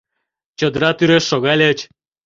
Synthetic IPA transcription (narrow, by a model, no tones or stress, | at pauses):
t͡ɕŏd̪ɾɑt̪yɾeʃːoɣɑlʲət͡ɕ